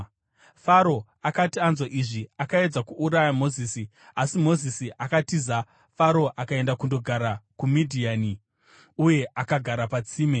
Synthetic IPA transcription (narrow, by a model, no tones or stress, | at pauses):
faɾo̞ | akatianzoʔiʐiakae̞d͡zakuʔːɾajamo̞ziːsi | asimo̞zisiʔakatiza | faɾo̞ʔakae̞ndakundo̞ɡʱaɾakumidʱiani | uje̞ʔakaɡʱaɾapat͡siːme